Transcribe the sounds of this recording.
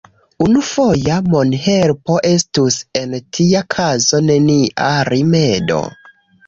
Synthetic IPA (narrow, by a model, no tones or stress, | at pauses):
unufojamonhelpo̞ʔe̞stusentʰiakʰazo̞ne̞niʔaɾime̞do̞̰